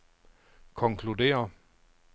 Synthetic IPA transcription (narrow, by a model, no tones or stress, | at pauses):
kʰɒ̽ŋkʰlude̝̰ːɐ